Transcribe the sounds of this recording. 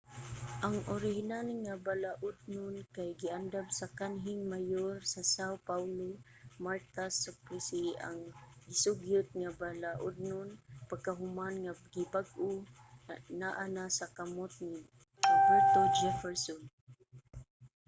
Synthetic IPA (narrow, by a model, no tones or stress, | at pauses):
ʔaŋʔoɾɪɦɪnalŋabalaʔʊd̪̚nʊnkajɡɪʔand̪amsakanɦɪŋmajorsasawpawlo | maɹt̪asapɾisia̰ŋɡɪsʊɡjʊt̪̚ŋabalaʔʊd̪̚nʊnpaɡ̚kaɦʊmanŋaɡɪbaɡʔʊ | naʔanasakamot̪̚ŋɪ | ɾobɛɹt̪od͡ʒɛfɛɹsɔn